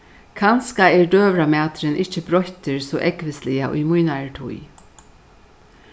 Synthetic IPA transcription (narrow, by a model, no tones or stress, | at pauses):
kʰanskaɛɹɖøːʋɾamæːt̪ɾɪnʔɪht͡ʃəbɾɔht̪ɪɹsɔːʔɛkʋɪslɪaʔʊ̰jmujnaɹʈʰṵj